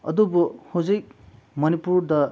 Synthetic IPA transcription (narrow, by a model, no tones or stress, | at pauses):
ʌ̰d̪ubohod͡zejk̚ | mʌnipuɾd̪ʌ